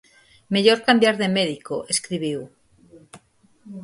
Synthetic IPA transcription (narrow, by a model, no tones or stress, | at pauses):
meʎoɾkambjaɾðemeðikoʔeskɾiβiw